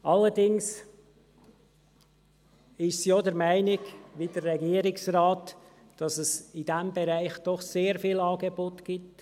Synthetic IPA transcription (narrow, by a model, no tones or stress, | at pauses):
ʔɑləɾdɪŋs | ɪʃsjodəɾmæɪnɪɡʋidərːɛɡiːəɾɪksrɑːt | d̥ɑsəsidæmbeɾæɪχd̥ɔχseːɾfiːlɑːɡebotɡ̥ɪt